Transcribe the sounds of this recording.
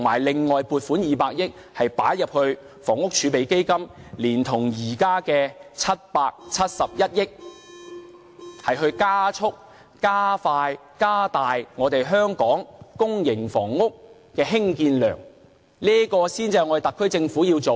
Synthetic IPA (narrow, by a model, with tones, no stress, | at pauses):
t̪ʰŋmaː˨˩jlɪ˨ŋːɔː˨jpuː˨t̚fuː˨˥njiː˨˧paː˧k̚jɪ˥k̚ | hɐ˨jpa̰ː˨˥jɐ˨p̚hɵ˧ɥ | fɔː˨˩ŋʊ˥k̚t͡ʃʰyː˨˧˥pe˨jke˥jkɐ˥mliː˨˩nt̪ʰʊ˨˩ŋjiː˨˩kaː˥kɛː˧t͡sʰɐ˥t̚paː˧k̚t͡sʰɐ˥t̚sɐ˨p̚jɐ˥t̚jɪ˥k̚ | hɐ˨jɦɵ˧ɥkaː˥t͡sʰʊ˥k̚ | kaː˥faː˧j | kaː˥t̪aː˨jŋɔː˨˧t̪e˨jɦœː˥ŋkɔː˨˥ŋkʊ˥ŋjɪ˨˩ŋfɔː˨˩ŋːʊ˥k̚ | kɛː˧ɦɪ˥ŋkiː˧nlœː˨˩ŋ | liː˥kɔː˧siː˥nt͡si˧˨jŋɔ˨˧˥e˨t̪ɐ˨kʰːɵ˥ɥt͡sɪ˧ŋfuː˨˥jiː˧wt͡so˨w